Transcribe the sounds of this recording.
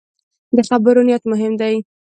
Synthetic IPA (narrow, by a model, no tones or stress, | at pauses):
d̪əxabəɾonijat̪mʊɦɪmd̪aj